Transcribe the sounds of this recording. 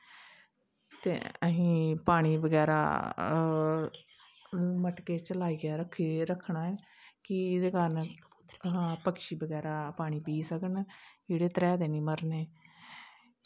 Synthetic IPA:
t̪ḛːə̰ɦĩːpaːɽ̃iːbəɡɛːɾa̰ː | məʈkeːt͡ʃəlaːiːɡɪaːɾəkʰiɾəkʰːɳaːɛː | kɪd̪eːkəɾn | ɦãːpəkʃiːbəɡɛːɾaːpaːɽ̃iːpiːsəkənd͡ʒeːɽeːt̪əɾɛːd̪eːnĩːməɾneː

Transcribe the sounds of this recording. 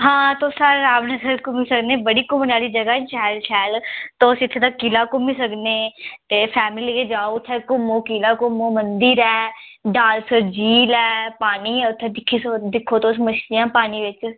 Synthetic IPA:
ɦãːt̪õːsəɾaːʋnəsəɾkʊmiːsəkneːbəɽiːkʊmnaːliːd͡ʒəɡaːt͡ʃʰɛːlt͡ʃʰɛːlt̪õːsɪt̪ʰːeːd̪akiːlaːkʊmiːsəkneːt̪eːpʰɛːmliːɡeːd͡ʒaːoʊt̪ʰːeːkʊmõːkiːlaːkʊmõːmənd̪iːɾɛːɖaːlsəɾd͡ʒiːlɛːpaːniːɛːʊt̪ʰːeːd̪ɪkʰːiːsd̪ɪkʰːoːt̪õsəməʃt̪ɪjãːpaːniːʋɪt͡ʃ

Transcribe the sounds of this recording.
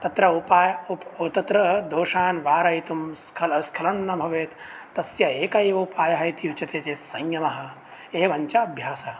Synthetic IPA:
t̪ɐt̪ɾɐupaːjɐupot̪ɐt̪ɾɐd̪oːʃaːnʋaːɾɐjt̪umskʰɐlɐskʰɐlɐnːɐmbʱɐʋeːt̪ | t̪ɐsjɐeːkɐeːʋɐupaːjɐɦɐjt̪ijut͡ʃɐt̪eːt̪eːsɐŋjɐmɐɦɐ̆ | eːʋɐɲt͡ʃɐɐbʱjaːsɐ

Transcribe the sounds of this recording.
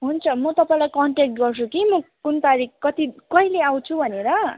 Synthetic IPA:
ɦunt͡sʰʌmʌt̪ʌpaĩlajkʌɳʈek̚ʈɡʌrt͡sʰukimʌkunt̪aɾikkʌt̪ikʌɦileaw̃t͡sʰubʱʌneɾʌ

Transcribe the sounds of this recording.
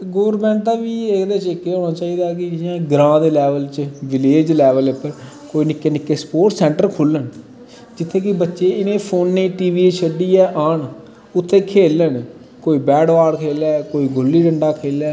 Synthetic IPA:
ɡoːɾmɛ̃ːɳt̪aːʋiːekd̪eːt͡ʃekːeːɦõːnaːt͡ʃaːiːd̪aːk̬ɪãːɡɾãːd̪eːlɛːʋəlt͡ʃʋɪleːd͡ʒlɛːʋəlepːəɾ | koːiːnɪkːeːnɪkːeːspoːʈsɛ̃ːɳʈəɾkʰʊlːən | d͡ʒɪt̪ʰːeːkɪbətːʃeːɪnẽːpʰoːnːeːʈiːʋiːeʃʰəɖiːɛːʔaːɳ | ʊt̪ʰːẽːkʰeːlən | koːiːbɛːɽʋaːɽkʰeːlɛːkoːiːɡʊlːiːɖəɳɖaːkʰeːlɛː

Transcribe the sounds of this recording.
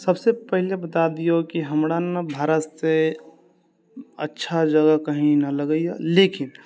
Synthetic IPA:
səbsepəɦilebət̪ad̪ijokiɦəmɽanbʱaːɾət̪se | ə̰tːʃʰad͡ʒəɡəkəɦĩnɐləɡəia̰leːkɪn

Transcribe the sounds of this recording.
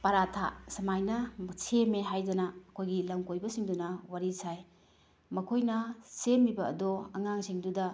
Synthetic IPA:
pɐɾatʰa̰sɐmajnɐsemeɦajdɐnɐɐkʰojɡilɐmkojbɐsiŋdunɐwaɾisaj | mɐkʰojnɐsemːibɐ̰ːdɔɐŋaŋseŋdudɐ

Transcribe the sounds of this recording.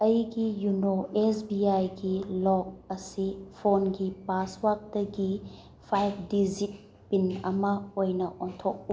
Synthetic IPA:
ɐjɡijunoesbiajɡilɔk̚ɐsipʰonɡipaswak̚tɐɡi | pʰajp̚ʰdizit̚ | pinɐmɐojnɐʔɔntʰok̚u

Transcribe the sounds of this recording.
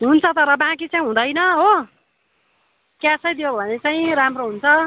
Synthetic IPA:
ɦunt͡sʰʌt̪ʌɾʌbãk̬it͡saĩɦũd̪ʌjnʌɦo | kjasʌjd̪ijobʱʌnet͡saĩramroɦunt͡sʰʌ

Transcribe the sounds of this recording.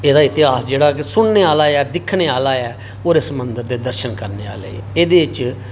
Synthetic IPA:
eːd̪aːɪt̪ɪaːsd͡ʒeːɽaːksʊɳneːaːlaːɛːd̪ɪkʰɳeːaːlaːɛː | oːɾesəmənd̪əɾd̪eːd̪əɾʃənkəɾneːa̰ːlḛːeːd̪eːɪt͡ʃ

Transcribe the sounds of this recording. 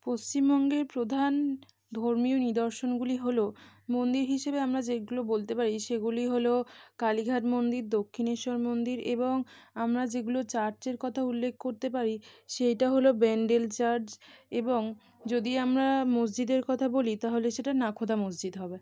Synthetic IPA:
post͡ɕimbɔŋɡeɾpɾod̪ʱan | d̪ʱoɾmionid̪ɔɾʃonɡuliɦolomond̪iɾɦiʃebeamɾad͡ʑeɡulobolt̪epaɾiʃeɡuliɦolokaliɡʱaʈmond̪iɾd̪okʰːiniʃɔɾmond̪iɾeboŋamɾad͡ʑeɡulot͡ɕaɾd͡ʑeɾkɔt̪ʰaulːekʰkoɾt̪epaɾiʃejʈaɦolobeɳɖelt͡ɕaɾd͡ʑeboŋ | d͡ʑod̪iamɾamos̬d͡ʑid̪eɾkɔt̪ʰabolit̪aɦoleʃeʈanakʰod̪amosd͡ʑid̪ɦɔbe

